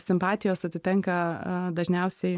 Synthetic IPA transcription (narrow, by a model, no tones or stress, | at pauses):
sʲɪmpɑːt̪ʲɪjoːsɐt̪ʲɪt̪ʲɛŋkɐd̪ɐʒʲnʲɛʊsʲɛɪ